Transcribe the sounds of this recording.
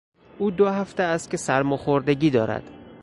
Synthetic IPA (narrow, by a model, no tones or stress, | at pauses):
ʔuːd̪oɦæft̪eæst̪̚kʰʲe̞sæɾmoxoɾd̪eɟʲiːd̪ɒːɾæ̰d̪̥